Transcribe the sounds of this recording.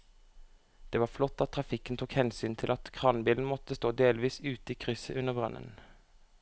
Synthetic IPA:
d̪̥eːʋɑːflɔt̪ːɑt̪̚ʰːʁɑfɪkənt̪ʰuːkhɛnsyːnt̪ʰɪlʔɑt̪kʰʁɑnbiːln̩mɔt̪əst̪oːd̪eːlʋiːsʉːt̪əiːkʰʁʏsə̰ʔʉnəʁbʁɑ̰nʔə̰n

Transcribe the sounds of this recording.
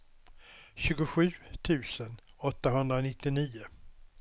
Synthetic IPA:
ɕʉ̟ːɡʊɧʉ̟ːt̪ʰʉ̟ːsənɔt̪ːaɦɵnd̪ɾanɪt̪ːɪniːʊ

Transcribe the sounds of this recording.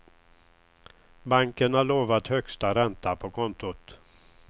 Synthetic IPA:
baŋkənhaɭoːvat̪hœkst̪aɾɛnt̪apʰɔkʰɔnt̪ʊt̪

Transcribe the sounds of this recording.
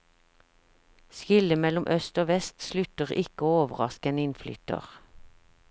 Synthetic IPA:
skɪləmɛlʊmʔœst̪oːʋɛst̪slʉt̪əʁɪkəoːoːʋəʁɑskəɛnɪnfly̰ːt̪ə̰ʁ

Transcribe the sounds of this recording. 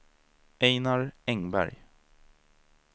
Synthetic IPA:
eɪnɑɹɛŋbæ̰ɾj

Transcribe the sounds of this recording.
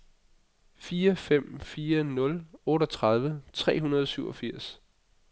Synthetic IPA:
fiːɐfem̰fiːɐnɔ̽lɔ̽ːɾɒt͡sʰʁɑð̞ˠʋət͡sʰʁɛ̰ːɦunɐð̞ˠɒsyʊɒ̽fiɐ̰s

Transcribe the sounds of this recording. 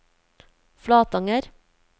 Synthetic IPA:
flɑːt̪ɑŋəɾ

